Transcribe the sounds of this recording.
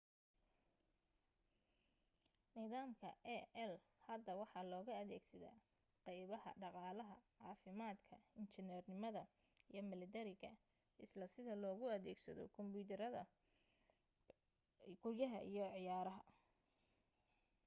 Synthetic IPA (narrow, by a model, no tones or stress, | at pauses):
niːðaːmkʰɐʔɛɛlhɐd̪ːɐwɑħɑlɔːɣɐɐðɛːɡsɐða̰ː | qɛjβɐhɐ̰ɖɑqɑːlɐɦɐʕɑːfɪmaːd̪kʰɐɪnt͡ʃɪnɛːrnɪmɐðɐ | ijɞmɪlɪt̪ɛɾɪɣɐ | ʔɪslɐsɪðɐlɔːɣʊɐðɛːɡsɐ̰ðɔ̰kʰɔmbuːt̪ʰɛɾɐðɐ | ɡʊrjɐɦɐ̰ʔḭjɔʕɪjaːɾɐɦɐ